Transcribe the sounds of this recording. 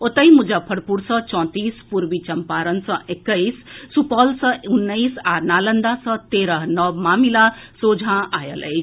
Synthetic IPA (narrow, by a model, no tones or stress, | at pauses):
ot̪əjmud͡ʒapʰɐɽpuɾsʌ̃t͡ʃɔ̃t̪iːspuɾbit͡ʃɐmpaɾənsʌ̃ʔekːəjsːupɔlsʌ̃unːəisanalənd̪asʌ̃t̪eɾəɦnʌbmaːmilasoːd͡zʱãajə̰lə̰j